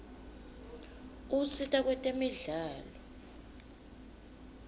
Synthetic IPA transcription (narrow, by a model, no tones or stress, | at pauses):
usitʼak̬wɛtʼemiɮaːlɔ